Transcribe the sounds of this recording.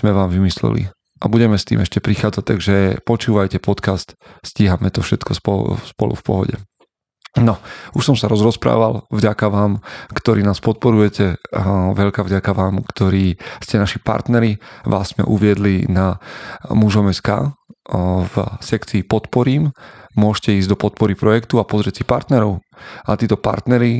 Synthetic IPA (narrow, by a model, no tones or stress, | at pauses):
z̥mɛʋaːmʋimislɛ̰lḭ | ʔabuɟɛmɛst̪ḭːmɛʃcɛpɾixaːd͡zac̚t̪aɡʒɛpɔt͡ʃuːʋajcɛpɔt̪kast̪sciːɦamɛt̪ɔfʃɛt̪kɔspɔ̰spɔ̰lṵfpɔ̰ɦɔ̰ɟɛ̰ | nɔuʃsɔmsaɾɔzɾɔspɾa̰ːʋalvɟakaʋaːmkt̪ɔɾiːnaːspɔt̪̚pɔɾujɛcɛʋɛʎkavɟakaʋaːmkt̪ɔɾiːscɛnaʃipa̰ɾt̪nɛɾiʋa̰ːzzmɛ̰ʔuʋɪɛd̪linamuʒɔmɛska̰ː | vsɛkt͡siːpɔt̪pɔɾiːmmʊɔʃcɛiːzd̪ɔpɔt̪̚pɔɾipɾɔjɛkt̪uapɔzɾɪɛcsipaɾt̪nɛɾɔʊat̪iːt̪ɔpa̰ɾt̪nɛɾi